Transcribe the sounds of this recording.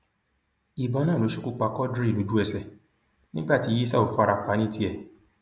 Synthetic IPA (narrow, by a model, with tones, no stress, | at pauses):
i˨bã˨˦nãː˦˨o˨˦ʃu˦ku˦k͡pa˧kɔ˦dɾi˦˨o˨˦d͡ʒu˦ɛ˦˨sɛ˨ | nĩ˦ɡ͡ba˦˨ti˨˧˦ji˦sa˦˨o˨fa˧ɾa˧k͡pa˨˦nĩ˦ti˦ɛ˦˨